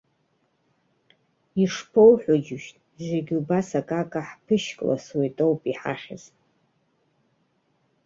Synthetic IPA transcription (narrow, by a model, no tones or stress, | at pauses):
iʂpʰo̞wħʷod͡ʒɪʃtʼ | ʒʷiɡʲubasakʼakʼaħpʰɨʃkʼla̰swetʼowpʼiħa̰χʲɪ̰z